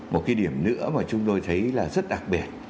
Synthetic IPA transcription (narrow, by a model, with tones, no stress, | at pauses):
mo˨˩t̚ka˨˦jɗi˧˩əmnɨ̰˧˥əmaː˨˩t͡ɕʊ˨˦ŋ͡mt̪o˧jt̪ʰə˨˦jlaː˨˩zə˦˥t̚ɗa˨˩k̚ɓi˨˩ət̚